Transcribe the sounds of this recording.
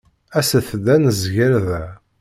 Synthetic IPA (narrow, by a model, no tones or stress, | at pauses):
æsəθd̪ænəzʝəɾðæ